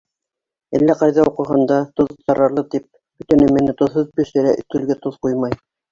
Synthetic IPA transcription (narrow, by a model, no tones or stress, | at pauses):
ælːæqɑjðɑuqɤ̆ɦɤnd̪ɑt̪ŏðt̪ɑɾɑɾlˠɤt̪ip̚ | bɵ̆t̪æ̆nɘmɘ̆nɘt̪ŏðhoðbɵ̆ʃɘ̆ɾæʔt̪ʉlɡɘt̪oðqujmɑj